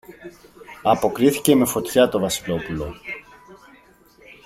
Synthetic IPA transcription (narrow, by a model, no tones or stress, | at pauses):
ɐpo̞kɾiθice̞me̞fo̞t̪çɐt̪ovɐsilo̞pulo̞